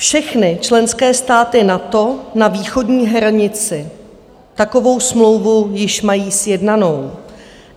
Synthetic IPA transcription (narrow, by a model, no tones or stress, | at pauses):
fʃɛxnɪt͡ʃlɛnskɛːst̪aːt̪ɪnat̪o̞naviːxo̞dɲiːɦɾaɲɪt͡sɪ | t̪ako̞vo̞wsmlo̞wvujɪʃmajiːsjɛdnano̞w